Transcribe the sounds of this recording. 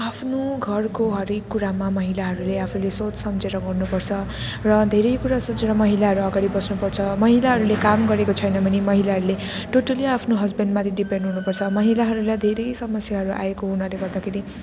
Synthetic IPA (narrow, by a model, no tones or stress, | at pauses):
apʰnoɡʱʌrkoɦʌɾekːuɾamamʌɦilaɦʌɾuleapʰulesot͡ssʌmt͡seɾʌɡʌrnupʌrt͡sʰʌ | rʌd̪ʱeɾʌjkuɾasot͡seɾʌmʌɦilaɦʌɾuʌɡaɽibʌsnupʌrt͡sʰʌmʌɦilaɦʌɾulekamɡʌɾekot͡sʰʌjnʌbʱʌnimʌɦilaɦʌɾule | ʈʰoʈʌliapʰnoɦʌd͡zbʌnɖmat̪ʰiɖipeɳɖɦunupʌrt͡sʰʌmʌɦilaɦʌɾulajd̪ʱeɾʌjsʌmʌsjaɦʌɾuʔa̰ekoɦunʌleɡʌɾd̪akʰeɾi